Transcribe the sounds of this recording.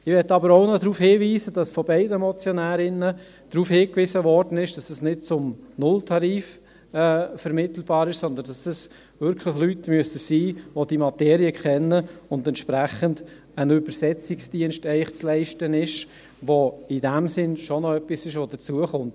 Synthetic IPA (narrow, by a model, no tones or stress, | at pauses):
ɪʋɛtːɑbəɾoʊnɔdɾuːfhɪːviːzəd̥ɑsfɔbɛɪdəmɔt͡sjɔnæːɾɪnə | d̥ɾuːfhɪːkʋɪsəvɔɾd̥ənɪʃd̥ɑsəsnɪtt͡sʊmnʊltʰɑɾiːf | ɛːfɛɾmɪtl̩b̥ɑːɾɪʃsɔnd̪əndɑsɛs | vʏɾkʰlɪχlytmyəsəsiːʋod̥imɑteːɾiəkʰχɛnːəʊndɛntʃpɾæχənd | ənybəɾsɛt͡sɪksd̥iənʃtɛɪχt͡slɛɪʃtənɪʃ | ʋoɪdæmsɪnʃɔnɔœpːisɪʃʋod̥ət͡suəχʊmt